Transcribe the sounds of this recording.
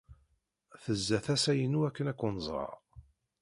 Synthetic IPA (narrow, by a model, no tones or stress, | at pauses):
θəzːæθæsæjənuækːənækʷːunəzˤɾˤɑ̰